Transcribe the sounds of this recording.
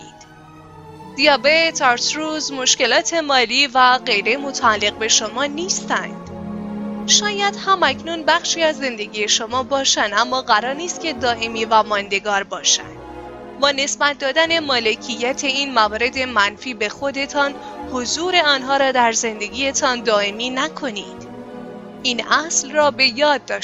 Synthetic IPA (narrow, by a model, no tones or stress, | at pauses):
ḭd̪̥ | d̪̥ijɒːbet̪ʰɒɾsɾuːzmo̞ʃce̞lɒːt̪ʰe̞mɒːliːvæɢe̞jɾemo̞t̪ʰæælːe̞ɣ̚be̞ʃomɒːniːst̪ænd̪̥ | ʃɒːjæd̪̥hæmæcʰnunbæxʃiːæzːe̞nd̪e̞ɡije̞ʃo̞mɒːbɒːʃænd̪æmːɒːɣæɾɒːɾniːst̪̚cʲʰe̞d̪ɒːʔe̞miːvæmɒːnd̪e̞ɡɒːɾbɒːʃæ̰nd̥̪ | bɒːne̞sbæt̪̚ʰd̪ɒːd̪æne̞mɒːle̞cʰijːæt̪ʰe̞iːnmævɒːɾe̞d̪e̞mænfiːbe̞xo̞d̪e̞t̪ʰɒːn | hozuːɾe̞ɒːnɦɒːɾɒːd̪æɾze̞nd̪e̞ɡiːjet̪ʰɒːnd̪ɒːemiːnækʰo̞nid̪̥ | iːnʔæslrɒːbe̞jɒːd̪̚ːɒʃ